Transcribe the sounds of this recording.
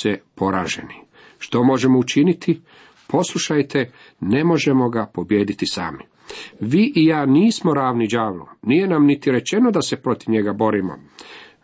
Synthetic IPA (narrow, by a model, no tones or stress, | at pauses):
epo̞ɾa̰ːʒḛni | ʃt̪o̞mo̞ʒe̞mout͡ʃinit̪ʰi | pʰo̞slˠuʃajt̪ʰe | ne̞mo̞ʒe̞mo̞ɡapo̞bje̞ːd̪it̪isa̰ːmi | ʋiʔijaːniːsmo̞ɾaːʋnid͡ʒaːʋlo̰nije̞namnit̪iɾe̞t͡ʃe̞nod̪ase̞pɾo̞t̪iʋɲe̞ɡabo̞ɾimo̰